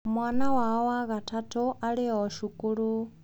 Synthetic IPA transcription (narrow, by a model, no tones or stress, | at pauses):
mwanawawaɣatʰatuʔaɺiɔɔʃukuɺu